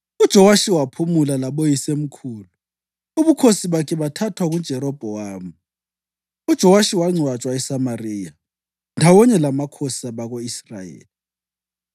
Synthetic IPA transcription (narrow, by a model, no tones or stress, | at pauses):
ud̥ʒ̥ʱɔwaʃiwapʰumulalaβɔjisem̩kʰuːlu | uβukʰosiβakʰɛβatʰatʰwaɣun̥ʒ̥ʱɛɾɔb̥ʱɔwaːmu | ud̥ʒ̥ʱɔwaʃiwaŋ͡ǀʱwat͡ʃʼwaɛsamariːja | ndʱawɔɲɛlamakʰosaβaɣoisra̰jḛːli